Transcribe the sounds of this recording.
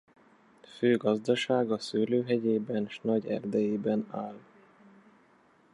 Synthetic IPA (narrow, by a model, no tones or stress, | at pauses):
føːɡɒzd̪ɒʃaːɡɒsyːløːɦɛɟeːbɛnʃnɒɟɛ̰rd̪ɛjeːbɛnaːl